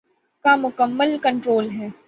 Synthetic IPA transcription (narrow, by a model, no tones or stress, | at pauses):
kamʊkəmːəlkə̃ɳʈɾoːlɦɛː